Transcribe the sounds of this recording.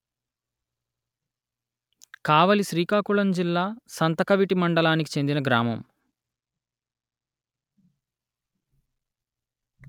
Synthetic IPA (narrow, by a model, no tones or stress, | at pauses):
kaːʋɐliʃɾiːkaːkuɭɐnd͡ʒilːaːsɐnt̪ɐkɐʋiʈimɐɳɖɐlaːnik̬i̥t͡ʃe̞nd̪inɐɡɾaːmɐ̰m